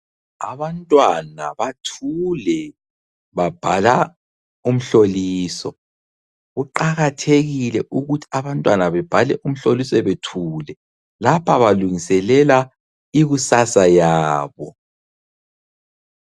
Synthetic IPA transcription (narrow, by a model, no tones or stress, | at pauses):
aβantʼwana̰βatʰulɛ | βab̥ʱala | um̩ɬoliːsɔ | ɣuǃaɣatʰeɣilɛʔuɣutʰi̥aβantʼwanaβɛb̥ʱalɛʔum̩ɬolisɔɛβetʰuːlɛ | lapʰaβaluŋisɛlɛla | iɣusasajaːβɔ